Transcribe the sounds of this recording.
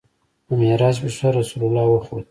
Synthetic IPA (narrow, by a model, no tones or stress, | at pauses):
pəmeɾɑːzbeʂaɾasulalːɑwəxod̪̚